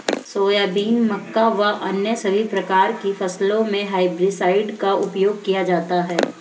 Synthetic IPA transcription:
soːjaːbiːnmɐkːaʋaʔɐnjəsɐbʱipɾɐkaːɾkifɐslõmẽɦaːɪbɾisaːɪɖkaʊpjoːɡ̚kijad͡ʒaːt̪aɦɛː

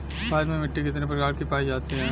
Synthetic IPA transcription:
baːdmẽmɪʈːikɪt̪nepɐɾɡaːɾkipaːid͡ʒaːt̪eɦɛ̃ː

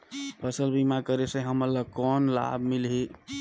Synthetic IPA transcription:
pʰəsəlbimakəɾesẽɦəməlːəkɔnla̰bʱmilɦi

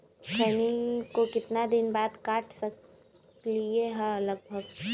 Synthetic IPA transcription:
t͡ʃʰɛːnikokɪt̪nad̪ɪnbaːd̪kaːʈʰsɐk | lieɦə̃ləɡ̚bʱəɡ

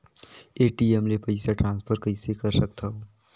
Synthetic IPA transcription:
eːʈiemlepɐɪsaʈɾãːnspʰəɾkəɪsekɐɾsɐk̚t̪ʰaɦoː

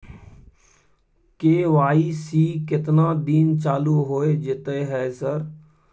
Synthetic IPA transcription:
keːʋaːisiːkɪt̪naːd̪iːnt͡ʃaːluɦoːed͡ʒɪt̪eɦɛːsəɾ

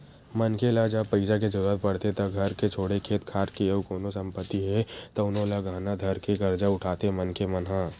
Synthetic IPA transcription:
mɐnkelad͡ʒapɐɪsak̬ed͡ʒɐɾuat̪̚pɐɽ̤t̪et̪ɐɡʱɐɾket͡ʃʰoːɽekʰeːt̪kʰaːɾkeəkoːnosɐ̃mpət̪ːiɦɛt̪ɐʊnõlaɡʱaːnad̪ʱɐɾkeɡɐɾd͡ʒaʊʈʰaːt̪emɐnkemɐnɦãː

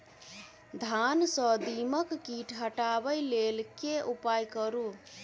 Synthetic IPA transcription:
d̪ʱansə̃d̪iməkːiʈʰɦəʈabəjlelkeupajkəɾu

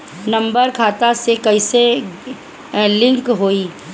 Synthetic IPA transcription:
nɐ̃mbəɾkʰaːt̪asekɐɪse | lɪ̃ŋkɦoːiː

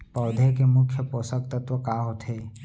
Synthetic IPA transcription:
pɔːd̪ʱekemʊkʰːjəpoːsək̚t̪ət̪ʋəkaːɦot̪ʰeː

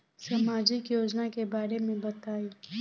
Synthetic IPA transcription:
sɐmaːd͡ʒɪkjoːd͡ʒnakebaːɾemẽbɐt̪aːiː

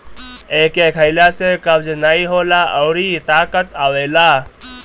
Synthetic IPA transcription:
eːkeːkʰəɪljaːsekəbd͡ʒnaːiɦoːlaːʔɔːɾit̪aːkət̪aːʋeːlaː

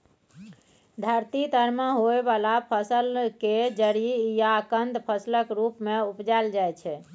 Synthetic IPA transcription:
d̪ʱəɾt̪id̪ʱəɾməɦoebalapʰəsəlked͡ʒəɾijakənd̪ʱpʰəsləkɾupmeupd͡ʒald͡ʒajt͡ʃʰɛ

